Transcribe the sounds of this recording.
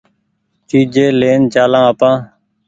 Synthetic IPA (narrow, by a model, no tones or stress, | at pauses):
t͡ʃiːd͡ʒeːleːnt͡ʃaːlãːapãː